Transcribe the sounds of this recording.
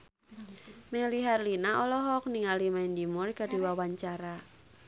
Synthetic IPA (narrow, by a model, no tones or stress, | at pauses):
mɛliɦarlinaʔɔlɔɦɔk̚niŋalimaind̪imʊrkad̥i̤wawaɲt͡ʃaɾa